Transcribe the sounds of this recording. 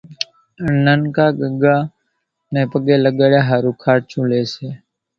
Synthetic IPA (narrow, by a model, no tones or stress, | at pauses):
nənkaːɡəɡaː | nẽːpəɠeːləɠəɽjaːɦaːɾũːkʰaːʈt͡ʃũːleːseː